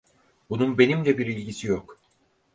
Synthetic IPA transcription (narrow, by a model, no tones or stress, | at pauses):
bununbe̞nimd̪ɛbiɾilʲɟisijok